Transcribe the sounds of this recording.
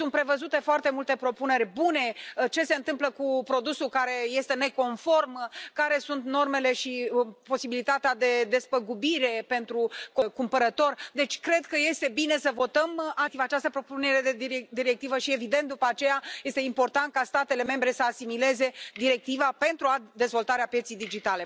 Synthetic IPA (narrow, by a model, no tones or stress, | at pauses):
sunt̪pɾe̞vəzut̪e̞foart̪e̞mult̪e̞pɾo̞pune̞rʲbune̞t͡ʃe̞se̞ɨnt̪ɨmpləkupɾo̞d̪usulkaɾe̞je̞st̪e̞ne̞ko̞nfo̞rmkaɾe̞sunt̪no̞rme̞le̞ʃipo̞sibilit̪at̪ead̪e̞d̪e̞spəɡubiɾe̞pe̞nt̪ɾukokumpəɾət̪o̞rd̪e̞t͡ʃʲkɾe̞d̪kəjest̪e̞bine̞səvo̞t̪əmat̪ivat͡ʃast̪əpɾopune̞ɾed̪ed̪iɾe̞k̚t̪ivəʃie̞vid̪ent̪̚d̪upəat͡ʃe̞jaje̞st̪e̞impo̞rt̪ant̪̚kast̪at̪e̞le̞me̞mbɾe̞səasimile̞ze̞d̪iɾe̞k̚t̪ivape̞nt̪ɾuad̪e̞zvo̞lt̪aɾeapjet̪sijd̪id͡ʒit̪ale̞